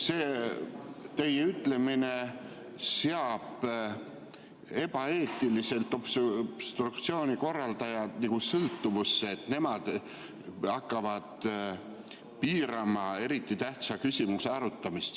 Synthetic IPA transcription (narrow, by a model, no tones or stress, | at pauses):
seː | t̪e̞jeyt̪ːˑle̞mine̞ | seɑb̥ | e̞b̥ɑe̞ːt̪ːˑilise̞lt̪ːˑob̥b̥st̪rukt̪sio̞ːnʲiko̞rːɑld̪̥ɑjɑniɡ̥usɤlt̪ːuvusːeːt̪ne̞mɑd̪̥ | ɑkːˑɑvɑd̪̥ | piːɾɑmɑe̞ɾit̪ːˑit̪æht̪sɑkysʲimuseɑɾut̪ːˑɑmist̪